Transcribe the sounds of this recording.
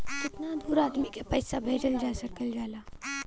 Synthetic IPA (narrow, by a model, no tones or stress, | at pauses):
kɪt̪nad̪uːɾaːd̪mikepɐjsabʱeːd͡ʒəld͡ʒaːsɐkəld͡ʒaːlaː